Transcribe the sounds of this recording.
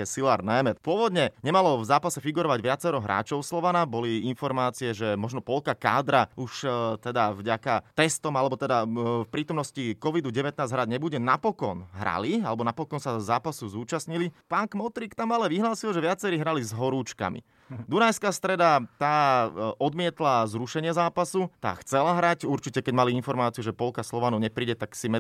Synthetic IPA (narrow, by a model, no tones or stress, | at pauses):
ɛsilaɾnajmɛpʊɔʋɔd̪ɲɛɲɛmalɔvzaːpasɛfiɡuɾɔʋaɟʋɪat͡sɛɾɔɦɾa̰ːt͡ʃɔʊslɔʋanabɔliinfɔɾmaːt͡siɛʒɛmɔʒnɔpɔlkaka̰ːd̪ɾauʃt̪ɛd̪avɟakat̪ɛst̪ɔmalɛbɔt̪ɛd̪afpɾiːt̪ɔmnɔscikɔʋid̪uɟɛʋɛt̪̚naːzɦɾaɟɲɛbuɟɛnapɔkɔnɦɾa̰lialɛbɔnapɔkɔnsazaːpasuzuːt͡ʃasɲilipaŋkmɔt̪ɾikt̪amalɛʋiɦlaːsilʒɛʋɪat͡sɛɾiːɦɾalizɦɔɾuːt͡ʃka̰mḭ | d̪unajskast̪ɾɛd̪at̪aːʔɔd̪mɪɛt̪lazɾuʃɛɲɪɛzaːpasut̪a̰ːxt͡sɛlaɦɾacuɾt͡ʃicɛkɛɟmaliinfɔɾmaːt͡siuʒɛpɔlkaslɔʋanuɲɛpɾiːɟɛt̪aksimɛ